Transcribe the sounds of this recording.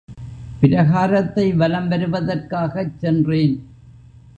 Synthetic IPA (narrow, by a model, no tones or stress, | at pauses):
pɪɾɐɣaːɾɐt̪ːɐɪʋɐlɐmʋɐɾɯʋɐðɐrkaːɣɐt͡ʃsɛndreːn